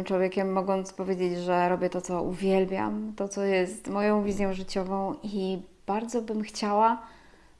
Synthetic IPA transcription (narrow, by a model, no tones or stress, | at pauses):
mt͡ʂwɔvʲjekʲɛmːɔɡɔnt̪spɔvʲjed͡ʑed͡ʑʐɛɾɔbʲjɛt̪ɔt̪ɔuvʲjɛlbʲja̰mt̪ɔt̪sɔjɛst̪mɔjɔ̃w̃vʲizʲjɔ̃ʐɘt͡ɕɔvɔ̃w̃iib̥aɾd̪zɔbɘmxt͡ɕawa